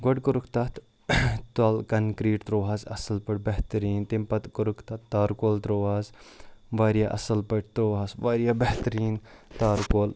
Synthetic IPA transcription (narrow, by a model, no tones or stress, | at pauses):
ɡoɖkuɾukʰt̪ɐt̪ | t̪ɐlkɐnkɾiːʈt̪ɾoːaːzɐ̰sɐlpɐʈbɛht̪ɐɾiːnt̪impɐt̪kuɾukʰt̪ɐt̪t̪aːɾkoːlt̪ɾoːʋaːzʋaːɾijaʔɐ̰sɐlpɐʈ̚t̪ɾoːaːsʋaːɾjaːbeht̪ɐɾiːnt̪aːɾkoːl